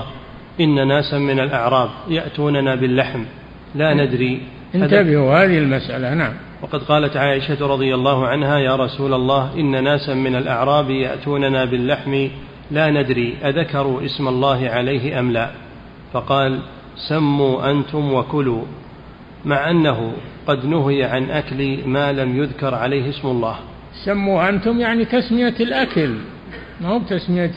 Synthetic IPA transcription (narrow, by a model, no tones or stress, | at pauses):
ʔɪnːanaːsamɪnalʔaʕɾˤɑːbjaʔt̪uːnanaːbɪlːaħm | laːnad̪ɾiː | ʔɪnt̪abɪhuhaːðɪhɪlmasʔalanaʕam | wɑqɑd̪qɑːlat̪ʕaːʔɪʃat̪ɾˤɑðˤɨjalˤːɑːhʊʕanɦaːjaːɾˤɑsuːlalˤːɑːhʔɪnːanaːsamɪnalʔaʕɾˤɑːbja̰ʔt̪uːnanaːbɪlːaħmɪ | laːnad̪ɾiːʔaðakɑɾˤuːʔɪsmalˤːɑːɦɪʕalajɦɪʔamlaː | fɑqɑːl | samːuːʔant̪ʊmwakʊluː | maʕʔanːaɦʊqɑd̪nʊɦɪjaʕanʔakliːmaːlamjʊðkɑɾˤʕalajhɪsmʊlˤːɑːh | samːuːʔant̪ʊmjaʕnit̪asmɪjalʔakal | mahuːb̚t̪asmɪja